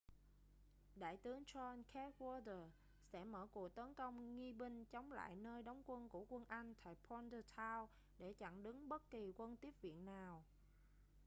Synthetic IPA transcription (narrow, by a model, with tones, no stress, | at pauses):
ɗa̰ː˧˨jt̪ɨ˨˦əŋt͡ɕɔ˧nkʰɛ˦˥t̚wɔ˧tə˨˩ | sɛ̰˧˥məː˧˩ku˨˩ək̚t̪ə˨˦nkə˧wŋ͡mŋi˧ɓï˧ŋ̟t͡ɕə˨˦wŋ͡mla̰ː˧˨jnəː˧jɗa˨˦wŋ͡mkwə˧nku˧˩əkwə˧nʔa˧jŋ̟t̪ʰa̰ː˧˨jpʰɔ˧ntə˧t̪ʰaː˧w | ɗe˧˩t͡ɕa̰˧˨ŋɗɨ˨˦ŋɓə˦˥t̚ki˨˩kwə˧nt̪i˦˥əp̚vḭ˧˨ənːaː˨˩w